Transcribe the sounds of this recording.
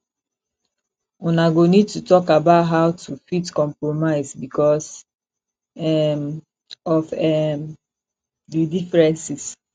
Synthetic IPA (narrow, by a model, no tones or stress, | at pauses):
unaɡonid̚tutɔkabaʊtɦaʊtʰufitkɔ̃mpɹomaɪsbikɔs | ɛm | ɔfɛm | didifɹɛ̃nsis